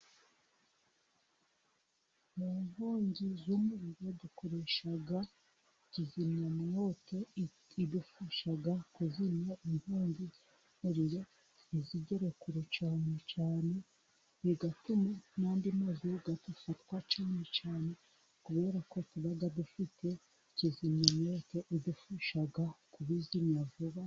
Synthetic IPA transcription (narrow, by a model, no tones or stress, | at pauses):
muːmhoːɲɟizumuɾiɾo̞dukoɾe̞ʃaɡa | cizimɲamuno̞tʰo̞ | idufuʃaɡakuzimɲaimhoːɲɟi | muɾiɾo̞ | iziɟeɾekuɾet͡ʃaːne̞t͡ʃaːne̞ | iɡatumanaːndimazuɡadufatwat͡ʃaːne̞t͡ʃaːne̞ | kuβe̞ːɾako̞tuβaɡadufite̞ | icizimɲamoto̞ʔidufuʃaɡakuβizimɲavuβa